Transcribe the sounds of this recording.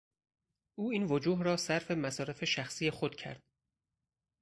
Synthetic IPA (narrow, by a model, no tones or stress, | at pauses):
ʔuːiːnvod͡ʒuːɦrɒːsæɾfe̞mæsɒːɾefe̞ʃæxsiːje̞xod̪̥cʰæ̰ɾd̪̥